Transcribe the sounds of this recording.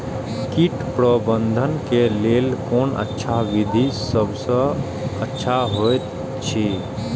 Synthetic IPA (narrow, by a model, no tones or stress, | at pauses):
kiʈpɾəbə̃nd̪ʱənkelelkoːnə̰tːʃʰaʋid̪ʱisəbʱsə̃ | ətːʃʰaɦojt̪ | t͡ʃʰi